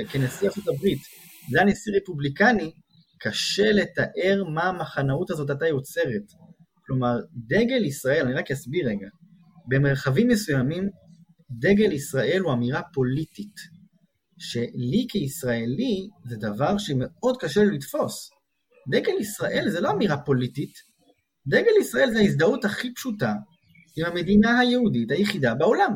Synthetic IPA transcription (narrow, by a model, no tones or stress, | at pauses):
kenesiasutabʁit | danesiʁepublikani | kʰaʃe̞le̞taʔe̞ʁmaːmaχanauthazo̞t̬at̬ajo̞t͡se̞ʁe̞t | klo̞maʁd̪e̞ɡe̞lisʁae̞laniʁakjasbiʁeɡa | be̞meʁχavimːesujamim | de̞ɡe̞lisʁaʔe̞luamiʁapo̞litit | ʃe̞likʰeisʁaelized̪avaʁʃeme̞o̞dkaʃellitfo̞s | d̪e̞ɡe̞lisʁaʔe̞lzelo̞amiʁapo̞litit | de̞ɡelisʁaʔe̞lzeaisdauthaχipʃuta | imhame̞dinaɦajeɦudithajeχidabeo̞lam